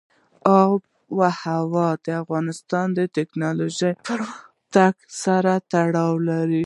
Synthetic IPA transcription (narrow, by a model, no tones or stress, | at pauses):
ɑb̚ | wahawɑd̪əafɣɑnɪst̪ɑnd̪ət̪ɪknɑloʒəj | t̪aksaɾat̪aɽɑwlaɾi